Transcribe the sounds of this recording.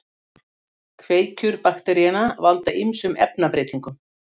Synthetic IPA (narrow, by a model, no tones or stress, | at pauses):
kʰveːjcʏɾpaxt̪ɛɾijɛnavalt̪aʔimsʏmɛ̰pnapɾeːt̪iŋkʏm